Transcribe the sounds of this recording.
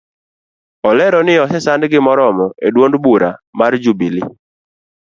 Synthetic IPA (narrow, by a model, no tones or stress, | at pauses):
ɔlɛɾɔnɪɔsɛsandɡɪmɔɾɔmɔedwondbuɾamaɾd͡ʒubilɪ